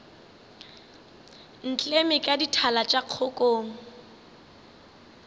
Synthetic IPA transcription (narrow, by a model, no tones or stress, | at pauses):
n̩t͡ɬʼemɪkʼaditʰalat͡ʃʼaq͡χʰʊkʼoːŋ̩